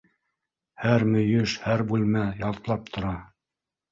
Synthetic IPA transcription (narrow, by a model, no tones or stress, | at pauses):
hæɾmɵ̆jɵʃhæɾbulmæjɑlˠt̪lˠɑp̚t̪ʰŏɾɑ